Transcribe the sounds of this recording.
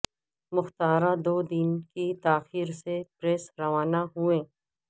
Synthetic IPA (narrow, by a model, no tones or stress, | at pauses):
mʊxt̪aːɾãd̪oːd̪iːnkit̪aːxiːɾsepɾeːsɾɐʋaːnaɦʊẽː